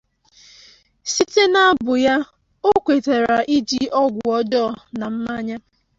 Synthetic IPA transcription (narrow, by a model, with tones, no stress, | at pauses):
si˦te˦na˦a˦bʊ˨ja˦ | o˦kʷe˨te˨ɾa˨ʔi˦d͡ʒi˦ʔɔ˦ɡʷʊ˨ɔ˦dɔ˦˨na˨m̩˦ma˦ɲa˦